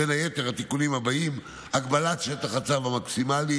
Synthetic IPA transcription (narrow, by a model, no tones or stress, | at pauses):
enaje̞t̪e̞ʁhat̪ikunimhabaim | aɡbalat̪ʃet̪aχat͡savamaksimali